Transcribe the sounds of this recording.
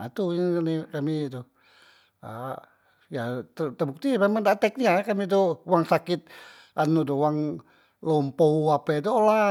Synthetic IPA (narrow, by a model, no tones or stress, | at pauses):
at̪unikamit̪u | a̰ | jat̪ət̪əbuk̚t̪imemaŋdaʔt̪ɛk̚ɲakamid̪ɔwaŋsakɪt̪̚ | ʔanːud̪ɔwaŋ | lɔmpoapɛd̪ɔla